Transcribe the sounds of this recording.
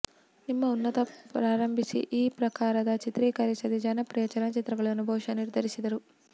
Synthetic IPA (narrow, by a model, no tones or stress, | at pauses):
nimːɐunːɐt̪ɐpɾaːɾɐmbʱisḭʔiːpɾɐkaːɾɐd̪ɐt͡ʃit̪ɾiːkɐɾisɐd̪id͡ʒɐnɐpɾijɐt͡ʃɐnɐt͡ʃit̪ɾɐɡɐɭɐɐnubʱɐwʂɐniɾd̪ʱɐɾisid̪ɐɾu